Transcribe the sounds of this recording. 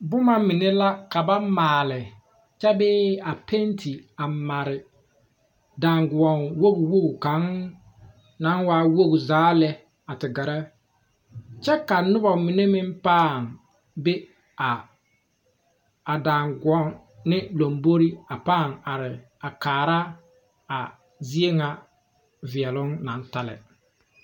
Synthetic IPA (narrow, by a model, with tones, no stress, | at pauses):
bʊ˦ma˦mɪ˨ne˦la˦ka˨ba˦maː˨lɪ˨ | t͡ʃɛ˦bɪː˦a˨pʰe˦ntʰi˨a˨ma˨ɾɪ˨ | daː˨ŋɡʊ˨ɔ˨nwo˦ɡʊ˨wo˦ɡu˨ka˨˦ŋ | na˦nwaː˦wo˦ɡu˨zaː˨˦lɛ˦ | a˨tɪ˨ɡa˨ɾa˦ | t͡ʃɛ˦ka˨nʊ˦bɔ˨mɪ˨ne˦mɪ˦npaː˦˨ŋ | be˦ | a˨ | daː˨ŋɡʊ˨ɔ˦ŋ | nɪ˦lo˨mbo˦ɾi˦a˨paː˦˨ŋa˨ɾɪ˨ | a˨kaː˨ɾa˦ | a˨ | zi˦e˦ŋa˨ | vɪ˨ɛ˨lʊ˦ŋna˨˦nta˦lɛ̰˨